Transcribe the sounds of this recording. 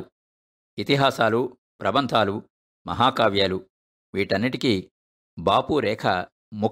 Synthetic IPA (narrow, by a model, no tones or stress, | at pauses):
it̪iɦaːsaːlu | pɾɐbɐnt̪ʰaːlu | mɐ̰ɦaːkaːʋjaːlu | ʋiːʈɐnːiʈiki | baːpuɾɛːkʰɐ | mu